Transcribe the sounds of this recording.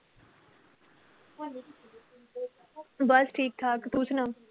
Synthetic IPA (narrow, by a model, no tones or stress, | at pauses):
bɐsʈʰiːk̚t̪ʰaːkt̪usʰnãː